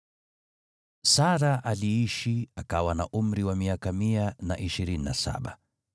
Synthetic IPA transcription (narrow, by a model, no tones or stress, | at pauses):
saɾaʔaliiʃiakawana̰ʔum̩ɾiwamiakamiana̰ʔiʃiɾininasa̰ɓa̰